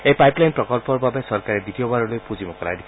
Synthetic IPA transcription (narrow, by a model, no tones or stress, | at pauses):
ejpajplajnpɾɔkɔlpɔɾbabesɔɾkaɾed̪it̪iɔbaɾɔlojpud͡ʒimɔkɔla̰d̪i